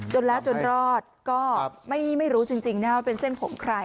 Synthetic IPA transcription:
t͡ɕo˧nlɛː˦˥wt͡ɕo˧nɾɔː˥˩t̪̚kɔː˥˩ma˥˩jma˥˩jɾuː˦˥t͡ɕi˧ŋt͡ɕi˧ŋna˦˥waː˥˩pe˧nse˥˩npʰo˩˦mkʰɾa˧j

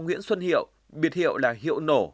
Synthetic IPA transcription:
ŋ͡mŋwḭ˧˥ənswə˧nhḭ˧˨əw | ɓi˨˩ət̚hḭ˧˨əwlaː˨˩hḭ˧˨əwno˧˩

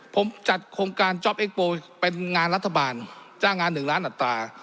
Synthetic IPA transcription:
pʰo˩˦mt͡ɕa˨˩t̪̚kʰo˧ŋkaː˧nt͡ɕɔ˦˥p̚ʔeː˦˥k̚poː˧pe˧nŋaː˧nɾa˦˥t̪ʰːa˧baː˧nt͡ɕaː˥˩ŋːaː˧nːɯ˨˩ŋɾaː˦˥nʔa˨˩t̪ːɾaː˧

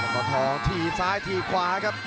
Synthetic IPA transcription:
a˨˩t̪ɔː˧˩t̪ʰɔː˧ŋt̪ʰiː˧˩saː˦˥jt̪ʰiː˧kʰwaː˧˦kʰa˦˥p̚

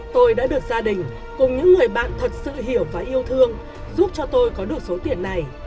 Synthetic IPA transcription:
t̪o˧jɗa̰ː˧˥ɗɨ˨˩ək̚zaː˧ɗï˨˩ŋ̟ | kʊ˨˩ŋ͡mɲɨ̰˧˥ŋːɨ˨˩əjɓa̰ː˧˨nt̪ʰə˨˩t̚sɨ̰˧˨ɦi˧˩əwvaː˨˩ʔi˧əwt̪ʰɨ˧əŋ | zu˦˥p̚t͡ɕɔ˧t̪o˧jkɔ˨˦ɗɨ˨˩ək̚so˨˦t̪i˧˩ənːa˨˩j

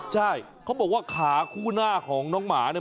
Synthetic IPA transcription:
t͡ɕʰa˥˩jkʰa˦˥wbɔː˨˩k̚waː˥˩kʰaː˩˦kʰuː˥˩naː˥˩kʰɔː˩˦ŋnɔː˨˥ŋmaː˩˦n˧˥˩

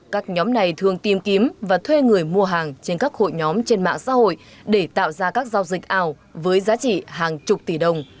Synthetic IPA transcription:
kaː˦˥k̚ɲɔ˨˦mna˨˩jt̪ʰɨ˧˩əŋt̪i˨˩mki˨˦əmvaː˨˩t̪ʰwe˧ŋɨ˨˩əjmu˧əɦaː˨˩ŋt͡ɕe˧nkaː˦˥k̚ho̰˧˨jɲɔ˨˦mt͡ɕe˧nma̰ː˧˨ŋsa̰ː˧˥ɦo̰˧˨j | ɗe˧˩t̪a̰ː˧˨wzaː˧kaː˦˥k̚zaː˧wzï˨˩k̚ʔaː˨˩w | vəː˨˦jzaː˨˦t͡ɕḭ˧˨ɦaː˨˩ŋt͡ɕʊ˨˩k͡p̚t̪i˧˩ɗə˨˩wŋ͡m

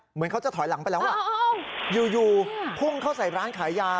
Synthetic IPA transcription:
mɯ˩˦ənkʰa˦˥wt͡ɕa˨˩t̪ʰɔː˩˦jla˨˩˦ŋpa˧jlɛː˦˥wa˥˧˩juː˨˩juː˨˩pʰu˥˩ŋkʰa˥˩wsa˨˩jɾaː˦˥nkʰaː˩˦jːaː˧

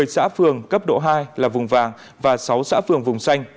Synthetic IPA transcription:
əjsa̰ː˧˥fɨ˨˩əŋkə˦˥p̚ɗo̰˧˨ɦaː˧jlaː˨˩vʊ˨˩ŋ͡mvaː˨˩ŋ | vaː˨˩sa˨˦wsa̰ː˧˥fɨ˨˩əŋvʊ˨˩ŋ͡msa˧jŋ̟

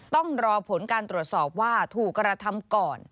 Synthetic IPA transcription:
t̪ɔ˥˩ŋɾɔː˧pʰo˩˦nkaː˧nt̪ɾu˨˩ət̪̚sɔː˨˩p̚waː˥˩t̪ʰuː˨˩kɾa˧t̪ʰa˧mkɔː˨˩n

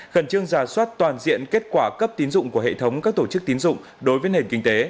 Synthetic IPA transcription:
ɣə˨˧˩nt͡ɕɨ˧əŋzaː˧˩swa˦˥t̚t̪waː˨˩nzḭ˧˨ənke˦˥t̚kwaː˧˩kə˦˥p̚t̪i˨˦nzʊ̰˧˨ŋ͡mku˧˩əhḛ˧˨t̪ʰə˨˦wŋ͡mkaː˦˥k̚t̪o˧˩t͡ɕɨ˦˥k̚t̪i˨˦nzʊ̰˧˨ŋ͡m | ɗo˨˦jvəː˨˦jne˨˩nkï˧ŋ̟t̪e˨˦

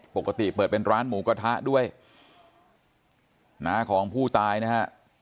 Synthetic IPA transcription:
po˨˩kːa˧t̪i˨˩pɤː˨˩t̪̚pe˧nɾaː˦˥nmuː˩˦˥ka˧t̪ʰa˦˥ʔdu˥˩əj | naː˦˥kʰɔː˩˦ŋpʰuː˥˩t̪aː˧jna˦˥kʰa˦˥ʔ

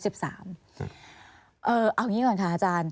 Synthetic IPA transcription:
si˨˩p̚sa̰ː˩˦m | ʔɤː˧˩ʔa˧˩wŋiː˦˥kɔː˧˩nkʰa˦˥ʔaː˧˩t͡ɕaː˧n

